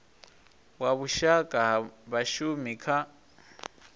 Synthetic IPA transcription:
waβuʃakʼaβaʃumikʰa

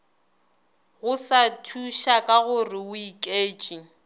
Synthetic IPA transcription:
ɣʊsatʰuʃakʼaɣʊrɪʊikʼeːt͡ʃʼi

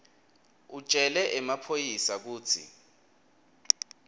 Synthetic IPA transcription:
ut͡ʃʼɛlɛʔɛmapʰojisak̬uːt͡sʰḭ

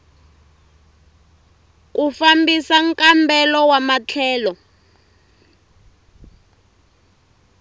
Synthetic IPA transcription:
kufambisaŋkʼambɛlɔwamat͡ɬʰɛːlɔ

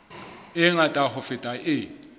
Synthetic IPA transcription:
ɪŋatʼaɦʊfɪtʼaʔɪ

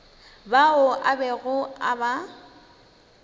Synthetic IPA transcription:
baʊʔabɛɣʊaba

